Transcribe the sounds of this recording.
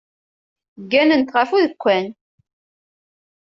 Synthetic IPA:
ɡːænənt̪ʁəfuðəkʷːæn

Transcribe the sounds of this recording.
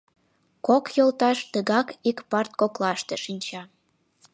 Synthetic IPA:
kokjolt̪ɑʃt̪əɣɑkikpɑrt̪̚koklɑʃt̪eʃinʲt͡ɕɑ

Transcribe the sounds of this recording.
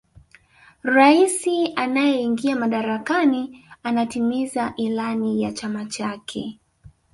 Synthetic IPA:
ɾaisianajɛiŋɡiamaɗaɾakanianatimizaʔilanijat͡ʃamat͡ʃakʰɛ

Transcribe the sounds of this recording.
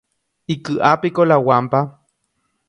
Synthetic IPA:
ikɨʔapikolawampa

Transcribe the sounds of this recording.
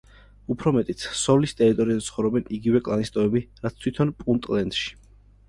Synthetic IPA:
upʰɾɔmɛt̪ʼit̪sɔlist̪ʼɛɾit̪ʼɔɾiant̪sχɔvɾɔbɛniɡivɛkʼlˠanist̪ʼɔɛbiɾat̪st̪ʰwit̪ʰɔnpʼunt̪ʼlɛnd̪̥ʃi̥

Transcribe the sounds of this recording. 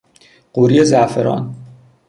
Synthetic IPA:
ɢ̥uɾijezæfeɾɒ̰ːn

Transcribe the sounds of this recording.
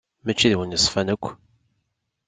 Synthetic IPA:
mæt͡ʃːiðwənjəsˤfænəkʷː

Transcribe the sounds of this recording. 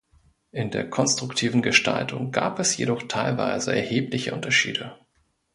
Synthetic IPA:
ʔɪndeːɐkʰɔnstʁ̥ʊktʰiːvn̩ɡəʃtʰa̰ltʰʊŋɡa̰ːpɛsjḛdɔχtʰaɪlva̰ɪzəɛ̰ɐheːplɪçə̰ʔʊntɐʃḭːdə

